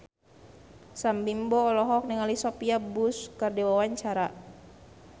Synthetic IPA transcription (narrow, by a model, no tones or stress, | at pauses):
sambimbɔːlɔɦɔk̚niŋalisɔpiabuskərdɛwawaɲt͡ʃaɾa